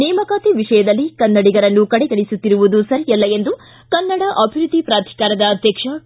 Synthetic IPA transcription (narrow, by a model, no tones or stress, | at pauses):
nɛːmɐkaːt̪iʋiʂɐjɐd̪ɐlːikɐnːɐɽiɡɐɾɐnːukɐɽɛɡɐɭisut̪ːiɾuʋud̪usɐɾijɐlːɐe̞nd̪u | kɐnːɐɽɐʔɐbʱiɾud̪ʱːipɾaːt̪ʰi̥kaːɾɐd̪ɐːd̪ʱjɐkʂɐ